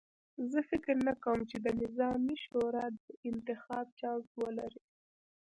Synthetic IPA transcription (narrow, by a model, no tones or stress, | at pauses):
zəfɪkɾnakawəmt͡ʃed̪ənɪzɑmiʃoɾɑd̪əɪnt̪ɪxɑb̚t͡ʃɑwzwəlaɾi